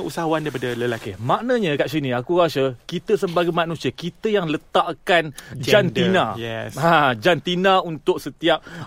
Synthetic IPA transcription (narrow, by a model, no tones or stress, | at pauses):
usaɦaandaipadaləlakimãʔnaɲãkaʔs̬inĩakuɾasəkit̪əsəbaɡamãnũsiakit̪əjaŋlət̪aʔkand͡ʒd͡ʒantinãjɛsad͡ʒant̪inãunt̪ʊk̚sət̪iap̚